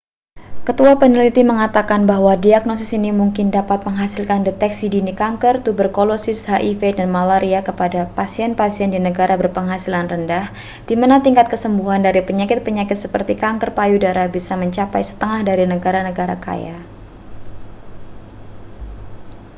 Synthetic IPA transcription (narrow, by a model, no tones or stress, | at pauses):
kət̪uapənilit̪iməŋat̪akanbaɦwadiak̚nosɪsinimuŋkɪndapat̪̚məŋɦasilkandɛt̪ɛksidinikaŋkərt̪ubərkolosɪshaʔifedanmalaɾiakəpadapasiɛnpasiɛndinəɡaɾabərpəŋɦasilanrəndah | d̥imanat̪iŋkat̪̚kəsəmbuɦandaɾipəɲakɪt̪̚pəɲakɪt̪̚səpərt̪ikaŋkərpajudaɾabisaməɲt͡ʃapajsə̥t̪əŋahdaɾinəɡaɾanəɡaɾaka̰ja̰